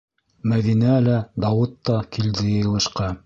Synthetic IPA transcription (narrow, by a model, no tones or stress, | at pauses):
mæðinælæd̪ɑwɤt̪ːɑkʰild̪ɘj̆jɤ̆lˠɤ̆ʃqɑ